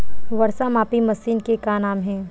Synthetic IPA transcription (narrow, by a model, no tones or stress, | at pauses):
ʋɐɾsamaːpimɐsiːnkekanaːmɦɛ̃ː